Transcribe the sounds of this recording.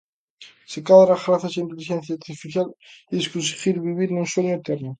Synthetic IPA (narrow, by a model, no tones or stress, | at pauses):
sekaðɾaɣɾaθaseint̪eliʃenθjaɾt̪ifiθjalieskuns̬i̥xiɾβiβiɾnunswoɲoet̪eɾno